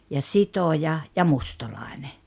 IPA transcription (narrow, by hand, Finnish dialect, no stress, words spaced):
jɑ sitojɑ jɑ mustɑlɑˑene